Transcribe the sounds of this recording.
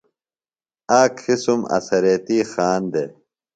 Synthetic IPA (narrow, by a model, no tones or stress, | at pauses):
aːkʰisumɐ̰sɐɾeːt̪iːxaːnd̪e